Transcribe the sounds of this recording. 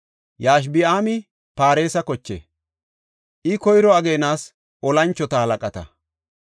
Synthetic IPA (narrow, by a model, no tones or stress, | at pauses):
jaːʃ̬bɪaːmɪ | paːɾe̞ːsɐkɔt͡ʃːḛː | ʔɪkɔjɾɔɐɡe̞ːnaːs | ʔɔlɐnt͡ʃːɔt̪ɐhɐlɐkʼɐt̪ɐ̰